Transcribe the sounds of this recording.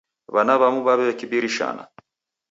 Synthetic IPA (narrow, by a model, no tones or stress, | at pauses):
βanaβamuβaβɛβekibiɾiʃa̰na̰